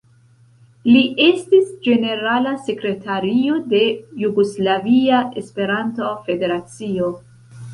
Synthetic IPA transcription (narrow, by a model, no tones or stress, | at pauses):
liʔe̞stisd͡ʒe̞ne̞ɾalase̞kɾe̞tʰaɾio̞de̞juɡo̞slaviae̞spe̞ɾantofe̞de̞ɾat͡sio̞